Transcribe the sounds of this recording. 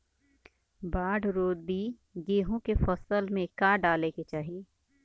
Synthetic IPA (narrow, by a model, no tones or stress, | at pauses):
baːɽɾoːd̪bi | ɡeːɦõkefɐsəlmẽkaɖaːleket͡ʃaːɦi